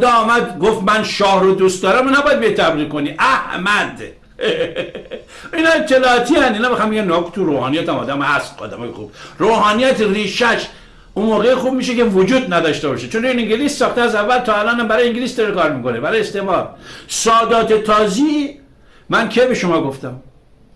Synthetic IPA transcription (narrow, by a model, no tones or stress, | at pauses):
od̪ɒːmæd̪ɡoft̪mænʃɒːhɾod̪ust̪d̪ɒːɾæminæbɒːjæd̪beet̪ʰːæbɾikoniʔæhmænd̪ | inɒet͡ʃ̪ʰːelɒːt̪ʰiænd̪iːnɒːmexɑmbeɡæmnɒku̥t̪uɾoːhɑːnijæt̪æmɒ̰ːd̪æmhæst̪ɒ̰ːd̪æ̰mɒ̰jexṵb̥roːɦɑːnijæt̪ʰriːʃæʃ | unmoːɣejixub̚miːʃ̬ekevod͡ʒuːd̪̚næd̪ɒːʃt̪ebɒːʃet͡ʃʰond̪eniŋɟelisːɒːxt̪eæzævːælt̪ʰɒːælɒːnæmbæɾɒːjeiŋɡilisd̪ɒɾekɒːɾmiːkonebæɾɒːjest̪emɒɾsɒːd̪ɒːt̪ʰet̪ʰɒːzi | mænkʰebeʃomɒːɡo̞ft̪æm